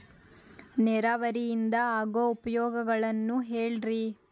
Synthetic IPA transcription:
nɛɾaʋɐɾijind̪ɐaːɡoupɐjɔːɡɐɡɐɭɐnːuɦeːɭɾi

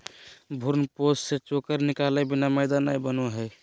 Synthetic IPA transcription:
bʱuɾnposset͡ʃokəɾnikalɛbinaməɪd̪anajbənoɦəj

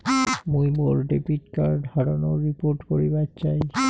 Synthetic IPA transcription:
mujboɾɖepiʈkaɾɖhaɾonoɾipoɾʈkoɾibatːt͡ɕaj

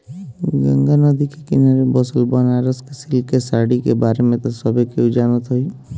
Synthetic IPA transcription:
ɡə̰̃ŋɡanəd̪ʱikikɪnaːɾebɔsəlbaːnaːɾəskesɪlkesaːɽikebaːɾemẽt̪ɐsɔbʱekiud͡ʒaːnət̪ɦoiː

